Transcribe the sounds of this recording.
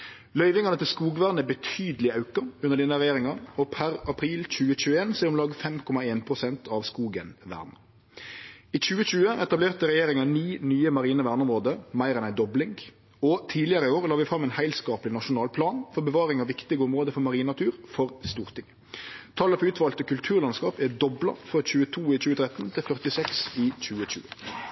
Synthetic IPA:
lœʏʋɪŋɑnət̪ʰɪlskuːɡʋæːʁnəəbət̪ʰyːd̪əlɪɑʉkɑʉnəʁdɖɛnːəɾɛjeːɾɪŋɑɔpʰæɾɑpʰɾiːlc͡çʉːəɕʉːəeːnsɔɛɾʊmlɑːɡfɛmkʰɔmɑeːnpʰʁʊsɛnt̪ʰɑʋskuːɡənʋæ̰ːʁnə | iːc͡çʉːəɕʉːəʔɛt̪ɑbleːʁt̪əɾɛjeːɾɪŋɑniːnyːəmɑʁiːnəʋæːʁnʊɔmʁoːd̪əmæɪʁɛnæɪd̪ɔblɪŋɡ | ɔt̪ʰiːlɪəɾəɪoːʁlɑːʋɪfɾɑmːæɪnhæɪlskɑːplɪnɑʃʊnɑːlpʰlɑːnfɔʁbəʋɑːʁɪŋɑʋɪkt̪ɪɡəɔmʁoːd̪əfɔʁmɑʁiːnɑt̪ʰʉːʁfɔʁst̪uːʁt̪ʰɪŋ | t̪ʰɑːləfɔʉːt̪ʰʋɑːlt̪əkʉlt̪ʰʉːʁlɑnskɑːpɛd̪ɔblɑ̰fʁɑçʉːət̪ʰuːɪc͡çʉːət̪ʰɾɛt̪nt̪ʰɪlfœʁt̪ɪsɛksiːc͡çʉːəc͡çʉ̰ːə

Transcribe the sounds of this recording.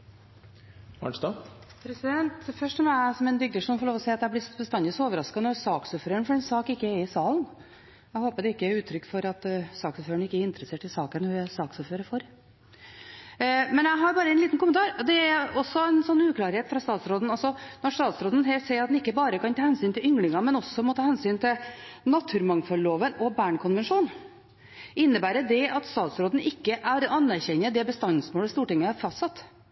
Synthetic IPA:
ɑ̰ɳst̪ɑpʰɾɛsɪd̪ɛnt̪fœʂʈɔmɛsɔmɛnbʏɡd̪əʂɔmɔfɔɾɭoːʋ̪ɔsɛːɑt̪d̪æblɪsbəst̪ɑnd̪ɪsoːʋəɾɑskɑnɔsɑːksoːføːɾəɳfɔɾɛnsɑːkɪkːəɛɾɪsɑːln | æɪhoːpəd̪ɛɪkːəæɾʉːt̪ʰɾʏkːfɔɾɑt̪sɑːksoføːɾəɳɪkːəɛɾɪnt̪ɾəseːʈʰɪlsɑːkənhʉsɑːksoføːɾəɾfɔɾ | mɛnæɪɦɑɾbɑːɾəɛnliːt̪n̩kʊmənt̪ɑːɾd̪ɛæɾɔsːɔɛnsɔnːʉːkʰlɑːɾheːt̪fɾɑst̪ɑːt̪sɾoːd̪n̩ɑlsɔnɔʂt̪ɑːt̪sɾoːd̪ən̩ɦɛlt̪sɛɪɾɑt̪d̪ɛnɪkːəbɑːɾəkɑnt̪ʰɑːhɛnsyːnt̪ɪlʏŋlɪŋɑmɛnɔsːɔmɔt̪ʰɑːhɛnsyːnt̪ʰɪlnɑt̪ʰːʉːɾmɑŋfɔlloːʋənɔbæːɳkʰʊnʋənʂuːn | ɪnːəbæːɾəd̪ɛɑt̪st̪ɑːt̪sɾoːd̪n̩ʔɪkːəʔæɾɑnːæɾçɛɲːəd̪ɛbəst̪ɑnːsmoːləst̪uːʈɪŋːəæɾfɑst̪sɑt̪ː

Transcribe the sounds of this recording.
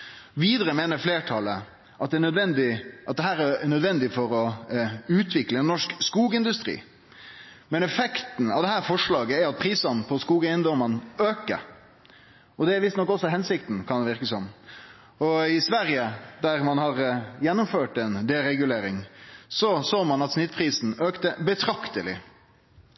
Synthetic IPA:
ʋiːd̪əɾəmeːnəɾfleːʈʰɑlə | ʔɑt̪̚d̪ɛɳœd̪ʋɛnd̪ɪʔɑt̪̚d̪ɛɦæːɾɛɳœd̪ʋɛnd̪ɪfɔɾɔʉːt̪ʰʋɪkləɛnːɔʂkskuːɡəɪnd̪ʉst̪ɾḭː | mɛnɛfɛkt̪n̩ɑʋd̪ɛɦæːɾfɔʂɭɑːɡəæɾɑt̪̚pʰɾiːsɑnpʰɔskuːɡæɪənd̪ɔmənøːkə̰ɾ | ɔd̪ɛæɾʋɪst̪nɔkːɔsːɔɦɛnsɪkt̪n̩kʰɑnd̪ɛʋɪɾkəsɔm | ɔɪsʋæɾjəd̪æɾmɑnhɑɾjɛnːʊmføːʈɛnd̪ɛɾɛɡʉleːɾɪŋsɔsoːmɑnɑt̪snɪt̪pʰɾiːsn̩øːkt̪əbət̪ʰɾɑkt̪əlɪ̰

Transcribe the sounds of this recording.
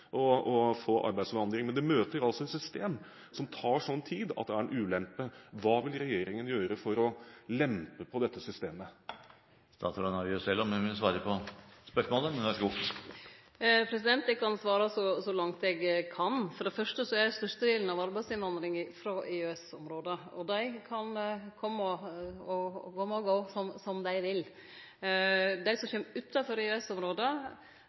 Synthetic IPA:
ʔɔɔfoːʔɑ̰ɾbæɪdsʋɑnd̪ɾɪŋmɛnd̪ɛmøːt̪əɾɑlsɔɛt̪sʏst̪eːm | sɔmt̪ʰɑːʂɔnːt̪ʰiːd̪ɑ̰t̪̚d̪ɛæɛnʔʉːlɛmpːəʋɑːʋɪlɾɛjeːɾɪŋənjøːɾəfɔɾɔlɛmpəpʰɔd̪ɛt̪ːəsʏst̪eːmə | st̪ɑ̰ːt̪sɾɑnɑɾʉsɛlːɔmʋɪsʋɑːɾəpʰɔspœʂmoːləɛɑʂɡʊkt̪ | pʰɾɛsɪd̪ɛnt̪ɛkʰɑnsʋɑːɾɑsɔsɔlɑŋt̪ɛɡkʰɑnfɔɖɛfœʂʈəsɔæst̪œʂt̪əd̪ɪːlən̩ɑʋɑɾbæɪsɪnʋɑnd̪ɾɪŋfɾoʔɪʉɛsɔmɾoːd̪əɔd̪æɪkʰɑnkʰɔmːəɔɔɡɔmɔɡoːsɔmsɔmd̪æɪʋɪl | d̪æɪsɔmçɛmːʉt̪ʰːɑfɔɾɪʉɛsɔmɾoːd̪ə

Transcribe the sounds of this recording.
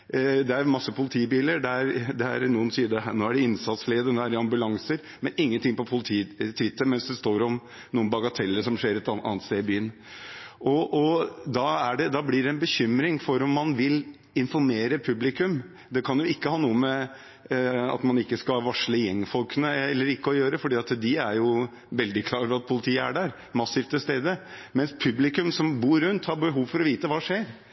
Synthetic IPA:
d̪ɛæɾmɑsːəpʰʊlɪt̪ʰiːbiːləɾɖ̪ɛæɾd̪ɛæɾnuːənsiːəd̪əænoːæɖɛɪnsɑt̪slɪːəd̪ənoːæɖɛɑmbʉlɑŋsəɾ | mɛnɪŋːənt̪ɪŋpɔpʰʊlɪt̪ʰiːt̪ʰʋɪt̪ːəmɛnsd̪ɛst̪oːɾɔm | nuːənbɑɡɑt̪ʰɛlːəʂɔmʂeːɾɛt̪ɑɑ̰nət̪st̪eːɪbyːən | ʔɔʔɔd̪ɑæɖɛd̪ɑblɪɖɛɛnbəçʏmɾɪŋfɔɾɔmːɑnʋɪl | ɪnfɔɾmeːɾəpʰʉblɪkʉm | d̪ɛkʰɑnjʊɪkːəhɑːnuːəmɛ | ɑ̰t̪mɑnɪkːəskɑʋɑʂləjɛŋːfɔlkənəɛlːəɾɪkːəɔjøːɾəfɔɖiːɑt̪d̪ɪæɾjʊ | ʋɛld̪ɪkʰlɑːɾfɾɑt̪̚pʰʊlɪt̪ʰiːəæ̰ɖæɾ | mɑsiːft̪ʰɪst̪eːd̪əmɛnspʰʉblɪkʉmsɔmbuːɾʉnt̪hɑɾbəɦuːʋfɔɾɔʋiːt̪əʋɑːʂeːɾ

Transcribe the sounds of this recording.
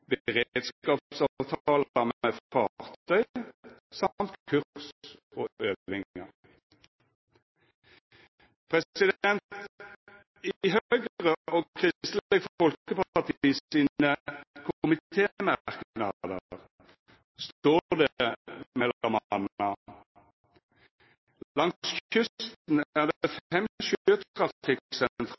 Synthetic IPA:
bəʁed̪skɑːppsɑʋt̪ʰɑːlɑmeːfɑːʁt̪ʰœʏsɑmt̪kʰʉʁsɔʔøːʋɪŋəʁ | pʰʁɛsɪd̪ɛnt̪ | iɦøɡʁəʔoːkʰʁɪst̪l̩ɛɡffɔlkəpɑpɑʁt̪iːəiːnəkʰʊmɪt̪ʰeːmæʁknɑd̪əʁ | st̪oːʁd̪emɛlɑmɑnɑ | lɑŋsçʏst̪n̩æːʁd̪fɛmʃøːt̪kʰʁɑɪksɛnt̪ʰʁ

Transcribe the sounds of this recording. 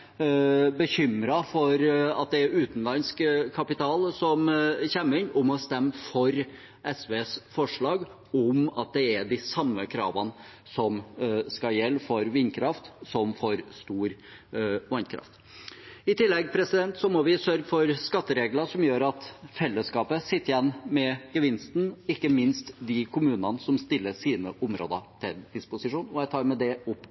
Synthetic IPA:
bəçʏmɾɑfɔɾɑt̪̚d̪ɛæɾʉːt̪nlɑnskkʰːɑpɪt̪ʰɑːlsɔmçɛmːəɾɪnːʊmɔst̪ɛmːfɔɾ | ʔɛsʋeːsfɔʂɭɑːɡ | ʊmɑt̪̚d̪ɛæɖ̪ɪsɑmːəkʰɾɑ̰ːʋən | sɔmskɑjɛlːfɔɾʋɪnːkʰɾɑft̪sɔmfɔɾst̪uːɾ | ʋɑnkʰɾɑ̰ft̪ | ɪt̪ɪlːɛɡpʰɾɛsɪd̪ɛnt̪sɔmɔʋɪsœɾɡəfɔɾskɑt̪ːəɾeːɡləʂɔmjøːɾɑt̪fɛlːəskɑːpəsɪt̪ːəɾjɛnːmɛɡəʋɪnst̪n̩ɪkːəmɪnst̪d̪ɪkʰʊmʉːnɑnsɔmst̪ɪlːəʂiːnəʔʊmɾo̰ːd̪ət̪ʰɪld̪̥ɪspʊsɪʂuːnɔjæɪt̪ʰɑːɾmɛd̪ɛʊpː

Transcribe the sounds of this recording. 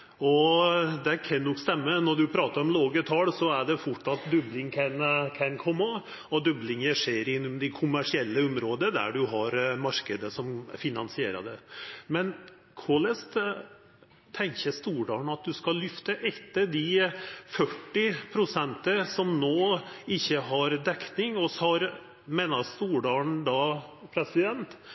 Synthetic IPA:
ɔd̪ɛkʰɑnːɔkst̪ɛmːənɔɖʉpʰɾɑːt̪əɾɔmloːɡət̪ʰɑːlsɔæɖɛfʊʈːɑt̪d̪œblɪŋkʰɛnkʰɛnkʰɔmːə | ɔd̪œblɪŋəʂeːɾɪnːʊmd̪ɪkʰʊmːæʂɪɛlːəʊmɾoːd̪əd̪æ̰ɖʉɦɑɾmɑɾkəd̪əsɔmfɪnɑnsɪeːɾə̰d̪ɛmɛn | kʰoːlɛst̪ | t̪ʰːɛŋçəst̪uːɖɑːɳɑt̪̚d̪ʉskɑllːʏft̪əʔɛt̪ːəd̪ɪfœʈːɪpʰɾʊsɛnt̪əsɔmnoːɪçːəɦɑɾd̪ɛknɪŋɔsɑɾ | meːnɑst̪uːɖɑːɳd̪ɑpʰɾɛsɪd̪ɛnt̪

